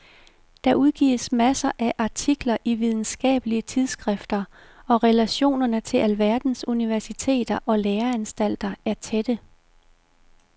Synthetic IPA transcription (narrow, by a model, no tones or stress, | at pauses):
d̥ɑ̈ʔuðˠɡ̥ḭːsmæsɐʔæʔɑ̈t͡sʰiɡ̥lɐʔiʋið̞ˠn̩sɡ̥ɛ̰ːb̥əliət͡sʰið̞ˠsɡ̥ʁɛfd̥ɐ | ɒ̽ʁɛlæɕo̝̰ːnɐnət͡sʰe̝lʔælʋæɐd̥n̩suniʋæɐsit͡sʰe̝̰ːd̥ɐʔɒ̽leːɐænsd̥æl̰d̥ɐæɐt͡sʰed̥ə